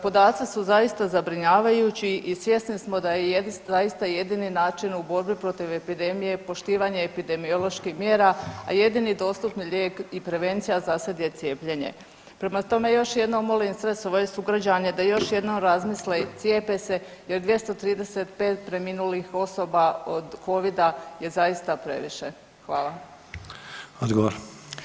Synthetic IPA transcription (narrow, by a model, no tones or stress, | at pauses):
po̞d̪aːt̪sisuzaist̪azabɾiɲaːʋajut͡ɕiʔisʋje̞snismo̞d̪ajejezaist̪aje̞d̪ininaːt͡ʃinubo̞ɾbipɾo̞t̪iʋepid̪e̞mije̞po̞ʃt̪iːʋaɲeːpid̪e̞mio̞lˠo̞ʃkihmjeːɾaa̰je̞d̪inid̪o̞ːst̪upniʎʲeːkipɾe̞ʋe̞nt̪sijazased̪jet̪je̞ːpʎe̞ɲe̞̰ | pɾe̞mat̪o̞me̞jo̞ʃje̞d̪noomo̞linsɾe̞so̞ʋoje̞suɡɾad͡ʑaɲed̪ajo̞ʃje̞d̪no̞mɾazmislet̪sjeːpese̞ | jeɾd̪ʋje̞st̪o̞t̪ɾiːd̪e̞set̪pe̞ːt̪̚pɾe̞minulixo̞so̞baod̪ko̞ʋid̪aje̞zajist̪apɾe̞̰ʋḭʃe̞ | xʋaːlˠa | od̪ɡoʋoɾ